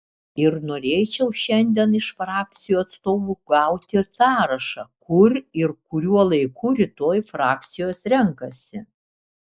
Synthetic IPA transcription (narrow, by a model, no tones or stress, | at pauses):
ɪɾnoːɾʲeːt͡ʃʲɛʊʃʲɛnʲd̪ʲiɛnɪʃfɾɑːk̚t̪sʲɪjuːɐt̪st̪oːʋuːɡɐˑʊt̪ʲɪɾsɑːɾɐʃɐkʊɾɪɾkʊɾʲuɔlˠɐɪkʰuːɾʲɪt̪oːjfɾɑːk̚t̪sʲɪjoːsɾʲɛŋkɐsʲɪ